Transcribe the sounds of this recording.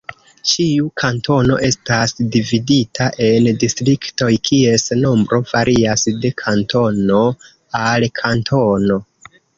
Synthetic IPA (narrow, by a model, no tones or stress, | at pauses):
t͡ʃiukʰanto̞no̞̰ʔe̞stasdividitʰaʔe̞ndistɾikto̞jkʰie̞sno̞mbɾʔo̞v̥aɾʔiasde̞kʰanto̞no̞ | alkʰantʰo̞no̞